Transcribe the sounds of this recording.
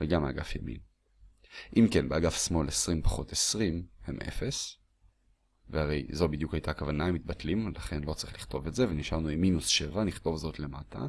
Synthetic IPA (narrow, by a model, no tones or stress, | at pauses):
veɡamaɡafja̰mḭn | ʔimke̞nbeaɡafsmo̞lesʁimpḁχo̞tesʁimhḛmʔe̞̰fe̞s | vehaʁe̞jzo̞bidjukajtaːkavanamit̪̚batlimlaχe̞nlo̞t͡saʁiχliχt̪o̞vetze̞veniʃaʁnuimːinusʃe̞vaniχt̪o̞vzo̞tle̞matʰa̰